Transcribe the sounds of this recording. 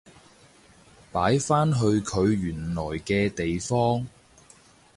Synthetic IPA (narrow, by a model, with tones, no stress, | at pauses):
paː˨˥jfaː˥nɦɵ˧ɥkʰɵ˨˧ɥɥyː˨˩nlɔː˨˩jkɛː˧t̪e˨jfɔː˥ŋ